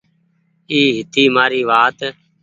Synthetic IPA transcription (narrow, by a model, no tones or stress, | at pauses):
iːɦɪt̪iːmaːɾiːʋaːt̪